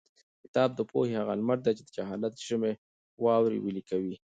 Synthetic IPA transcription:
kɪt̪ɑːb̚d̪əpohehaɣalmaʈ̚d̪et͡ʃed̪əd͡ʒaɦɑlat̪̚ʒ̥ɪme | wɑwɾḭwəlikawi

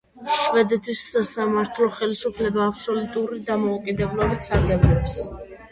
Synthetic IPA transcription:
ʃvɛd̪ɛt̪ʰisːasamaɾt̪ʰlɔχɛlisupʰlɛbaːpʰsɔlut̪ʼuɾid̪amɔukʼid̪ɛblɔbit̪sʰaɾɡɛblɔps

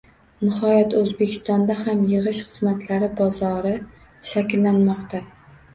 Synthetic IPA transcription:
nɪhɒjat̪ɵzbekʲʰɪ̥st̪ɒnd̪ahamjɨʁɨʃχɨzmat̪ʰlaɾɪbɒzɒɾɪ | ʃakʲɪlːanmɒqt̪ʰa

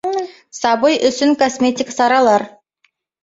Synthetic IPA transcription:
sɑbɤjʏsɪŋkosmʲetʲiksɑɾɑlˠɑɾ

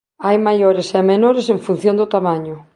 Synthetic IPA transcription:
ajmajoɾesɛmenoɾeseɱfun̟θjõnd̪ʊt̪amaɲʊ

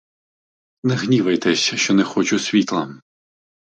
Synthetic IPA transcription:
nɛɣnʲiʋɐjt̪ɛsʲʃt͡ʃɔnɛxɔt͡ʃʊsʲʋʲit̪lˠɐ

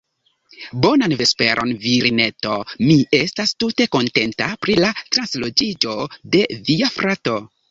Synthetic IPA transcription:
bo̞nanve̞spe̞ɾʔo̞̰nviɾine̞to̞mie̞stastute̞ko̞nte̞ntapɾilatɾanslo̞d͡ʒid͡ʒo̞de̞viafɾato̞

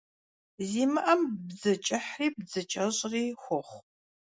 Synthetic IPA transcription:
ziːmɨʔɐmbzɐt͡ʃʼɪħriːb̚zɨt͡ʃʼɐɕʼriːxʷɔχʷ

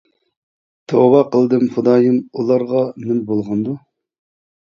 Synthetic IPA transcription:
t̪ʰobɑqʰəlˠd̪ɨmχʊd̪ɑːjɨmulˠɑɾʁɑnɪmbolˠʁɑnd̪u

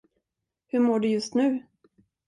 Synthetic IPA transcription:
hɵmoːɖɵjɵst̪nʉ̟ː

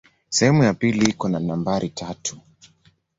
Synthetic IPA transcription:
sɛhɛmujapiliikɔnanambaɾʔitʰatʰu̥

